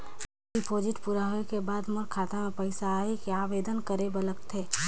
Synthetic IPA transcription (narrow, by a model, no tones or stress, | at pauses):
ɪpʰoːd͡ʒɪʈpuɾaɦuekebaːd̪mʊɾkʰaːt̪amẽpəɪsaɦekiaːʋeːd̪ənkəɾebɐləkt̪ʰeː